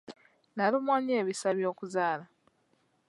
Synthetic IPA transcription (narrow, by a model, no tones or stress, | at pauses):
nalumwaːɲeːβisaβjo̞ːkuzaːla